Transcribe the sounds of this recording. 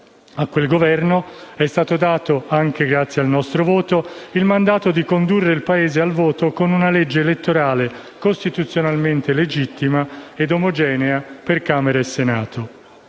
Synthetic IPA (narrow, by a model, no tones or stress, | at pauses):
akːwelɡovɛrnoɛst̪aːt̪od̪aːt̪oaŋk̟eɡɾat̪sːjalnɔst̪ɾovoːt̪oilmand̪aːt̪od̪ikond̪urːeilpaeːzealvoːt̪okonunalɛd͡ʒːeːlet̪ːoɾaːle | kost̪it̪ut̪sːjonalment̪eled͡ʒit̪ːimaed̪omod͡ʒɛːneaperkaːmeɾaesːenaːt̪o